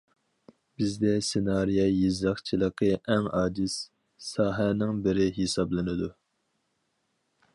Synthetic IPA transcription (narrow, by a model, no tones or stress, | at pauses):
bɪzd̪ɛsenɑːɾijɑjizɑχt͡ʃʰilˠəqəʔɛŋɑːd͡ʒ̪ɪsː | ɑːɦɛnɪŋbɪɾɪɦesɑblˠɨnɨd̪u